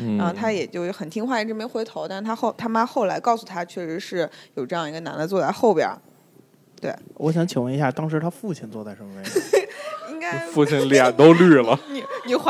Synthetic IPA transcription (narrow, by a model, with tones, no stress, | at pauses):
ɻa˧˥nxo˥˧ʊt̪ʰa˥jɛ˨˩t͡ɕjo˥˧ʊxə˨˩nt̪ʰi˥ŋxwa˥˩ɛ˧˥ʈ͡ʂmje˥xwe˧˥ɪt̪ʰo˧˥ʊt̪a˥˩ʂ̩˥˩t̪ʰa˥xo˥˩ʊt̪ʰa˥ma˥xo˥˩ʊla̰˧˥ɪkɑ˥˧ʊsu˨˩t̪ʰa˥t͡ɕʰɥɛ˥˩ʂɻ̩˧˥ʂɻ̩˥˩jo˨˩ʊʈ͡ʂɤ˥˧jɑ˥˩ŋi˧˥ɡə˧na̰˧˥nd̪ə˧t͡swɔ˥˧t̪a˥˧ɪxo˥˩ʊpjɑ̰˨˩˦ | t̪we˥˩ɪwɔ˧˥ɕ̬jɑ˧˥ŋt͡ɕʰi˨˩ŋwə˥˩ni˧˥ɕja˥˩t̪ɑ˥ŋʂɻ̩˧˥t̪ʰa˥fu˥˧t͡ɕʰi˥˩nt͡swɔ˥˧t̪a˥˩ɪʂə˥ŋfe˧˥˩ | i˥ŋka˥˧fu˥˧t͡ɕʰi˥˩nljɛ˨˩nt̪o˥ʊly˥˩lə˩ni˨˩ni˨˩x